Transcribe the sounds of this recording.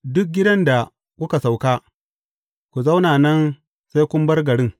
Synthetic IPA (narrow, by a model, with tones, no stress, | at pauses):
dʊ˦k̚ɡʲɪ˦dɐ˦nda˨ | kʷʊ˦ka˨sa˨wkaː˦ | kʷu˨za˦wnaː˨nɐ˦n | sa˦jkʷʊ˦m˦bɐ˦rɡɐ˨ɽɪ˦ŋ